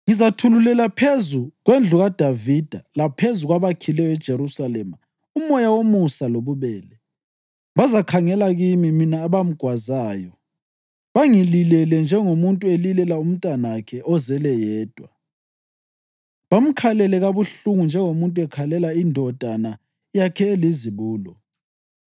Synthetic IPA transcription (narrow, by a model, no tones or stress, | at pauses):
ŋizatʰululɛlapʰezuɣwend͡ɮʱuɣad̥ʱavid̥ʱalapʰezuɣwaβakʰilɛjɔɛd̥ʒ̥ʱeɾusalɛma | umɔjawomusaloβuβɛːlɛ | βazakʰaŋɛlaɣimiminaːβam̩ɡ̥ʱwazaːjɔ | βaŋililɛlɛnd͡ʒʱɛŋomuntʼuelilɛlaum̩tʼanakʰɛʔɔzɛlɛjɛːd̥ʱwa | βam̩kʰalɛlɛɣaβuɬuŋund͡ʒʱɛŋomuntʼuɛkʰalɛlaindʱɔd̥ʱana | jakʰɛeliziβuːlɔ